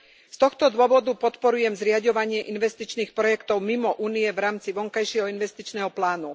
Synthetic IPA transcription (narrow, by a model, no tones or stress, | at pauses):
st̪ɔxt̪ɔd̪ʊɔʋɔd̪upɔt̪pɔɾujɛmzɾɪaɟɔʋaɲɪɛʔinʋɛst̪it͡ʃniːxpɾɔjɛkt̪ɔʊmimɔʔuːniɛvɾaːmt͡siʋɔŋkajʃɪɛɦɔinʋɛst̪it͡ʃnɛːɦɔplaːnu